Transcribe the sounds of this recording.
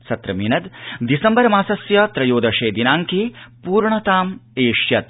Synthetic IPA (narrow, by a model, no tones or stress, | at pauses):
sɐt̪ɾɐminɐd̪d̪isɐmbɐɾɐmaːsɐsjɐt̪ɾɐjoːd̪ɐʂeːd̪inaːŋkepuːɾɳɐt̪aːmeːʂjɐt̪̚